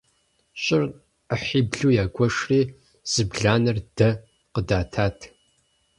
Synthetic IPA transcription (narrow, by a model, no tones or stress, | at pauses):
ɕʼɪr | əħiːbɮuːjaːɡʷɔʂriː | z̥ɨbɮaːnɐrd̥ɐ | qədaːtʰaːtʰ